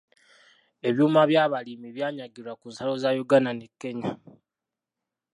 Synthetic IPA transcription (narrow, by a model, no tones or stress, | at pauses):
e̞βjuːmaβjaːβalimiβjaːɲaɡilwakuːnsalo̞zaːjoɡananekːe̞ɲa